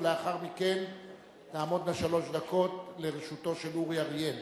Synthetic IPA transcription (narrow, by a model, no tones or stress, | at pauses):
le̞aχaʁmiken | taːmo̞d̪naʃalo̞ʃd̪ako̞tle̞ʁeʃuto̞ʃe̞luʁjaʁijen